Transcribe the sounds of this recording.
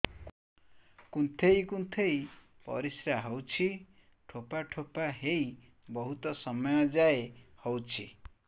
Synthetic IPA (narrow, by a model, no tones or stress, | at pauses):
kunt̪ʰejkunt̪ʰej | pɔ̰ɾisɾaɦɔwt͡ʃʰi | ʈʰopaʈʰopaɦej | bɔɦut̪ɔsɔmɔjɔd͡ʒaehowt͡ʃʰi